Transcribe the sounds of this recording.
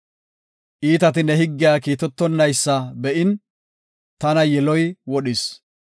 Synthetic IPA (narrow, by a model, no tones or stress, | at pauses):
ʔiːt̪ɐt̪ɪnɛɦɪɡːɪjaːkiːt̪ɔt̪ːɔnːɐjsːɐbɛʔɪn | t̪ɐnɐjɛlɔjwɔɗɪs